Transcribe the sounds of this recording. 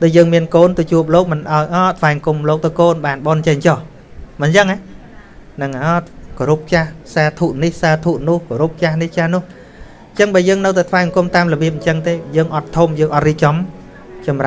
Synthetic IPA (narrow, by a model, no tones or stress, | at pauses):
ɗ̪ʊjəːŋmiənkoːnt̪ɨt͡ɕuəp̬̚loːk̚mɨnʔaɔjʔɑːt̪ʰʋaɛŋkumloːk̚t̪ɨwkoːnɓaːnɓoːnt͡ɕəŋt͡ɕoh | mɨnt͡ɕəŋaj | nɨŋaːkoɾup̚t͡ɕahsaːt̪ʰuːʔnihsaːt̪ʰuːʔnŭəhkoɾup̚t͡ɕahniht͡ɕahnʊ̆əh | ɲt͡ɕəŋɓaːjəːŋnɨwt̪at̪ʰʋaɛŋkumt̪aːmlɔɓiəp̬̚ɲt͡ɕəŋt̪eːjəːŋʔɑt̪ʰːumjəːŋʔɑt̪̚riːp̚t͡ɕɑm | t͡ɕɑmra